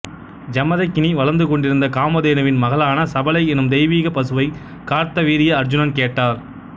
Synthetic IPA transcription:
d͡ʒɐmɐðɐɪkːɪniʋɐlɐɾnd̪ɯkɔɳɖɪɾɯnd̪ɐkaːmɐðeːnɐʋɪnmɐɣɐlaːnɐsɐbɐlɐɪɛnɯmd̪ɛɪʋiːɣɐpɐsɯʋɐɪ | kaːɾt̪ɐʋiːɾɪjɐːɾd͡ʒʊnɐnkeːʈːaːɾ

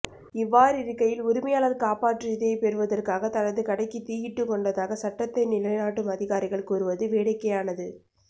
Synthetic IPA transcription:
ɪʋːaːɾɪɾɯkːɐjɪlʊɾɪmɐjaːlɐðkaːpaːʈrɪðeːɪpɛɾɯʋɐðɐrkaːɣɐt̪ːɐɻɐðɯkɐɽɐɪkːit̪iːjɪʈːɯkːɔɳɖɐðaːɣɐsɐʈːɐt̪ːɐɪnɪlɐɪnaːʈːɯmɐðɪɣaːɾɪɣɐɭkuːɾɯʋɐðɯʋeːɽɐɪkːɐjaːnɐðɯ

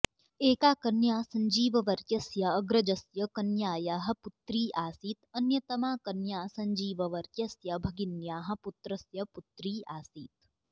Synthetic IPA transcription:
eːkaːkɐnjaːsɐ̃ɲd͡ʒiːʋɐʋɐɾkjɐsjɐːɡɾɐd͡ʒɐsjɐkɐnjaːjaːɦɐ̆pʊt̪ɾiːʔaːsiːt̪ɐnjɐt̪ɐmaːkɐnjaːsɐ̃ɲd͡ʒiːʋɐʋɐɾkjɐsjɐbʱɐɡɪnjaːɦɐ̆pʊt̪ɾɐsjɐpʊt̪ɾiːaːsiːt̪̚

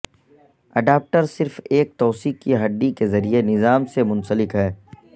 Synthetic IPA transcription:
ɐɖaːp̚ʈəɾsɪɾfeːk̚t̪ɔːsiːkkiɦɐɖ̪ːikezɐɾienɪzaːmsemʊ̃nsəlɪkɦɛː

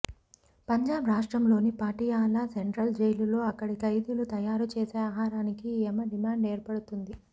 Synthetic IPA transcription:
pɐɲd͡ʒaːbɾaːʂʈɾɐmlo̞ːnipaːʈiːjaːlaːseɳʈɾɐld͡ʒejlulo̞ːɐkːɐɽikɐjd̪ilut̪ɐjaːɾut͡ʃeːseːaːɦaːɾaːnikiemɐɖimaːɳɖe̞ːɾpɐɽut̪und̪i

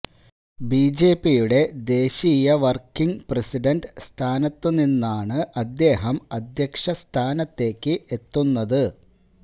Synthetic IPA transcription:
biːd͡ʑe̞ːpijuɽe̞d̪e̞ːɕiːjɐʋɐrkːiŋpresiɖɐnɖst̪ʰaːnɐt̪ːɨninːaːɳɨʔɐd̪ːe̞ːɦɐmɐd̪jɐkʂɐst̪ʰaːnɐt̪ːe̞ːkːɨʔet̪ːunːɐðɨ

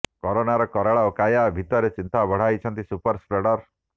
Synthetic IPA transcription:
kɔɾonaɾɔkɔɾaɭaokajabʱit̪ɔɾet͡ʃint̪abʱɔɽ̤ajt͡ʃʰɔnt̪isupɔɾspɾeɽɔɾ

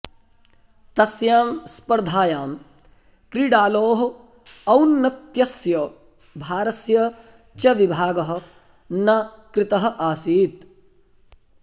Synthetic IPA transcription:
t̪ɐsjaːmspɐɾd̪ʱaːjaːm | kɾiːɖaːloːɦɐ̆ | ɐwnːɐt̪jɐsjɐ | bʱaːɾɐsjɐ | t͡ʃɐʋibʱaːɡɐɦɐ̆ | nɐ | kɾɪt̪ɐɦɐ̆ʔaːsiːt̪

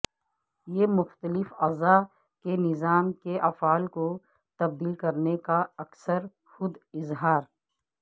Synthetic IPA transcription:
jeːmʊxt̪əlɪfɐza | kenɪzaːmkeʔɐfaːlko | t̪ɐb̚d̪iːlkɐɾnekaɐksəɾ | xʊd̪ɪzɦaːɾ

